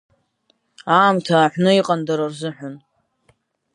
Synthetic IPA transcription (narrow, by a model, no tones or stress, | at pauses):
aːmtʰaːħʷnɨiqʼandaɾarzɨħʷʊn